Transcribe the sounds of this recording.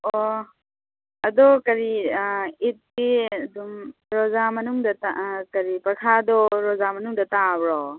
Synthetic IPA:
ɔ | ɐdɔkɐɾi | it̚diɐdumɾɔzamɐnuŋdɐtakɐɾipɐɾkʰadɔɾɔzamɐnuŋdɐtabɾɔ

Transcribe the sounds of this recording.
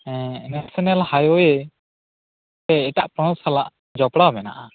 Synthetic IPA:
ɛ̃nɛsɛnɛlhajɔjɛ | t̪ɛɛʈaʔpɔɽ̃ɔsalaʔ | d͡ʒɔpɽabɛna̰ʔa

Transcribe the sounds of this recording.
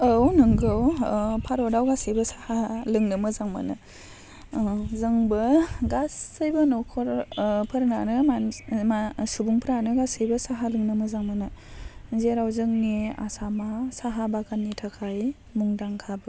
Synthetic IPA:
ownɯŋɡɯwpʰaɾɔdawɡasɯjbɐsḁhalɯŋnɯmɯzaŋma̰nɯ̰ | zɯŋbɯɡasːɯjbɐnɔkʰɔɾpʰɯɾnanɯmamasubuŋpʰɯɾanɯɡasɯjbɐsaɦalɯŋnɯmɯzaŋmanɯzeɾawzɯŋnia̰samasaɦabakʰanːitʰakʰaj | muŋdaŋkʰabɯ

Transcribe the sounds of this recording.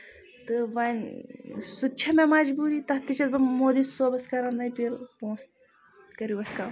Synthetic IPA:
t̪ɨʋɐn | sut̚t͡ʃʰɐmemɐd͡ʒbuːɾit̪ɐt̪it͡ʃʰɐt̪bɐmoːd̪isoːbɐskɐɾɐnnɐjpiɾpõːs | kɐɾjuʋɐska

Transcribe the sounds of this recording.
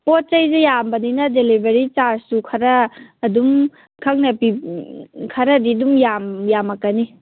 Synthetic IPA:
pot̚t͡ʃɐjzejambɐninɐdelibeɾit͡ʃaɾssukʰɐɾɐːdum | kʰɐk̚nɐpi | kʰɐɾɐdidumjamjamɐkːɐni

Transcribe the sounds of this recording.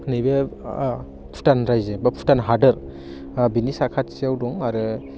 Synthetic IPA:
nibe | pʰu̥tanɾajzebapʰu̥tanɦadɯɾ | binisakʰat̚sijawdɔŋaɾɯ

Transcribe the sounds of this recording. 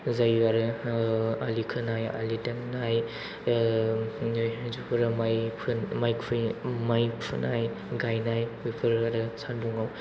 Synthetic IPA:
zajaɾɯ | alikʰɯnaja̰litanːaj | jzupʰɯɾɯmajpʰmajkʰɯmajpʰunaj | ɡajnajwipʰɯɾaɾɯsanduŋaw

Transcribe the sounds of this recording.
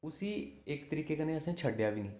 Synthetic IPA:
ʊsiːɪkt̪əɾiːkeːkənẽːəsẽːt͡ʃʰəɖjaːbiːnĩː

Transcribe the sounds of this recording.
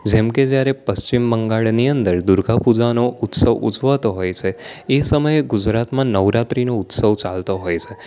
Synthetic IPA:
d͡ʒemked͡ʒjaɾepəst͡ʃimːəŋɡaɭniənd̪əɾd̪uɾɡʱapud͡ʒanout̪səʋud͡ʒʋat̪oɦojt͡ʃʰeesəməjeɡud͡ʒɾat̪mãnəʋɾat̪ɾinout̪səʋt͡ʃalt̪oɦojt͡ʃʰe

